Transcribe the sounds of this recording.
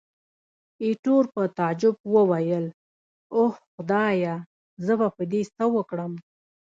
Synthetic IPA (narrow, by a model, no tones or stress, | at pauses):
iʈoɾpət̪ad͡ʒʊb̚wəwajəl | ohxʊd̪ɑja | zəbapəd̪est̪awəkɽəm